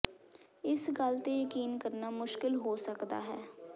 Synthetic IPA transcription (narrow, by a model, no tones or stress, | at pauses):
ɪsɡəlt̪eːjəkiːnkəɾnaːmʊʃkɪlɦoːsəkd̪a̰ːɦɛː